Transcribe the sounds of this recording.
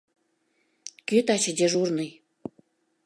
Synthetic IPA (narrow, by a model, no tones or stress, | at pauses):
kyt̪ɑt͡ɕə̆d̪ʲeʒurnəj